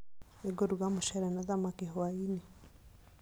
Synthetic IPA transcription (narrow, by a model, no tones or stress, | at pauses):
eɡoɾuɡamuʃɛɾɛnaðamakiɦwaini